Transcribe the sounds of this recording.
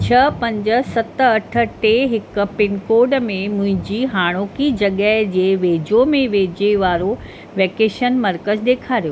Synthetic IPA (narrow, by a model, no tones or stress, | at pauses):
t͡ɕʰɐpɐ̃ɲd͡ʑə̆sɐt̪ɐʈʰə̆ʈeɦɪk̆pɪnkoːɖmẽmʊ̃ɦɪ̃ɲd͡ʑiːɦaːɽ̃oːkid͡ʑɐɠəɦd͡ʑeːʋeːd͡ʑomẽʋeːd͡ʑeʋaːɾo | ʋeːkeːʃənmɐɾkəzd̪eːkʰaːɾijo